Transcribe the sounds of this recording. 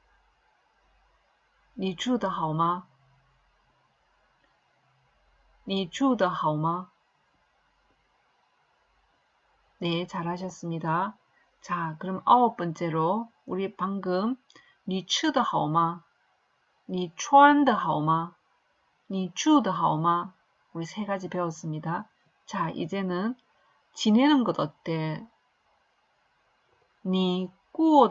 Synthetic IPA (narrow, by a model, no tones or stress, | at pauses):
nit͡ɕud̪ɯɦawma | nit͡ɕud̪ɯhawma | net͡ɕaɾaɕ̬ʰʌs͈ɯmɲida | t͡ɕakɯɾɯmʔaop͈ɯnt͡ɕ͈eɾo | uɾipaŋɡɯm | nit͡ɕʰɯdɯhaoma | nit͡ɕʰoandɯɦaoma | nit͡ɕudɯɦaoma | uɾisʰe̞ɡad͡ʑipe̞wʌs͈ɯmɲida | t͡ɕaḭd͡ʑe̞nɯn | t͡ɕinenɯnɡʌdʌt̚t͈e̞ | ni | k͈uo